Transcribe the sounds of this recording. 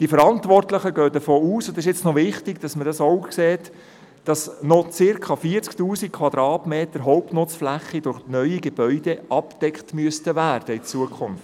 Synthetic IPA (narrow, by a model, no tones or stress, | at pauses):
d̥ifəɾɑntʋɔrtləχəɡœːdəfoːuːsʊndɪʃɛt͡snɔvɪχtɪɡd̥ɑsmədɑsoʊkseːt | d̥ɑsnɔt͡sɪɾkʰɑfiəɾt͡sktuːsikkʰːʋɑd̥̪ɾɑːtmeːtəɾɦɔʊpnʊt͡sflæχːid̥ʊɾχnœʏiɡeb̥œʏdɛʔɑpd̥ɛkχtmyəstəvæːrd̥əɪt͡suəkʰχʊnft